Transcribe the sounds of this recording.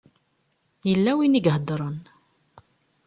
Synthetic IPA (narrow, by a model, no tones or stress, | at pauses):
jəlːæwiniɡɦəd̪ˤɾˤən